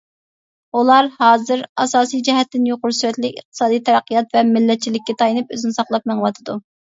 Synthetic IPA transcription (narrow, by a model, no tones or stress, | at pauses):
ulˠɑɾhɑːzɨɾɑsɑːsijd͡ʒɛɦɛt̪ːɪnjoqʊɾsyɾɛt̪lɪkʲə̰χ̚t̪ʰɨ̥sɑːd̪ijt̪ʰɛɾɛqːijɑt̪vɛmɪlːɛt̪̚t͡ʃʰilɪkʲːɛt̪ʰɑjinɨpø̰zɪnɪsɑχlˠɑp̚mæŋwɑt̪ʰɨd̪u